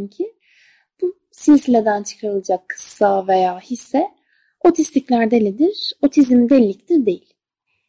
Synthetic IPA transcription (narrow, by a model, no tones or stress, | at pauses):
ncʰi | b̥u | sinsilʲed̪ænt͡ʃʰɯ̥kʰaɾɯlˠad͡ʒakʰːɯ̥sːave̞jaːhisːɛ | o̞t̪ʰist̪ʰiclʲæɾd̪elʲid̪iɾ̥o̞t̪ʰizmd̪elʲlʲic̚d̪iɾd̪e̞jilʲ